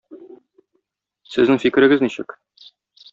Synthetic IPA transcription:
sɘ̆znɘŋfikɘ̆ɾɘ̆ɡɘzniɕɘ̰k

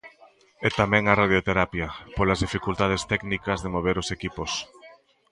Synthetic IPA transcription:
ɛt̪amɛ̃ŋɐraðjot̪eɾapjɐpolazðifikult̪að̞est̪ɛknikɐzðemoβ̞eɾosekipos

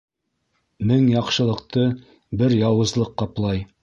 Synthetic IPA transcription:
mɘŋjɑqʃɤ̆lˠɤ̆qt̪ɤ | bɘɾjɑwɤ̆zlˠɤqːɑplˠɑj

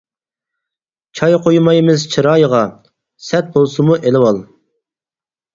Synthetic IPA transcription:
t͡ʃʰɑjqʰojmɑjmɪzt͡ʃʰɨɾɑjʁɑ | sɛt̪̚bolˠsumuʔelɪwɑlˠ

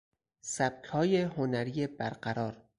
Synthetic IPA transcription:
sæb̥̚kʰhɒːjeɦonæɾiːjebæɾɢæɾɒːɾ

